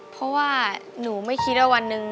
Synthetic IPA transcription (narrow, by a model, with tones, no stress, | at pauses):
pʰɔ˦˥waː˥˩nuː˩˦ma˥˩jkʰi˦˥t̪̚ʔa˥˩wa˧nːɯ˧ŋ